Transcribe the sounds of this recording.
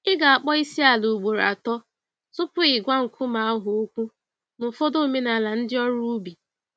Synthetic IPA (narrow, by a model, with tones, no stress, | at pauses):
ɪ˦ɡa˨a˨k͡pɔ˦i˦si˦a˨lu˨ɡ͡bo˨ɾ̰a̰˨tɔ˦ | sʊ˦pʊ˦ɪ˨ɡʷa˦ŋ̩˨kʷʰʊ˦ma˨a˦ɦʊ˨o˦kʷu˦ | m̩˨fo˦do˦˨me˦na˨la˨n̩˦dɪ˦ɔ˦ɾu˦bi˨